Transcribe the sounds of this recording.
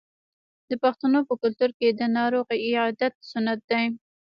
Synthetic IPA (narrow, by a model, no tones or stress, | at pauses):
d̪əpaxt̪anopəkʊlt̪uɾked̪ənɑɾoɣiɪɑd̪at̪̚sʊnat̪̚d̪aj